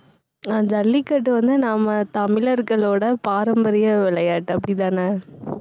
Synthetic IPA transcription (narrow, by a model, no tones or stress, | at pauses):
ɐnd̪ɐːlːɪkːɐʈ̬ːɯʋɐnd̪ɯnaːmɐt̪ɐmɪlɐɾɡɐɭoːɽɐpaːɾɐmbɐɾɪjɐʋɪɭɐjaːʈːɯɐpːɐɽɪt̪̬ãːnaː